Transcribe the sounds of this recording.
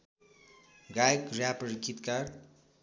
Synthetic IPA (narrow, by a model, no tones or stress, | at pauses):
ɡajkrjapʌɾikʰːit̪kar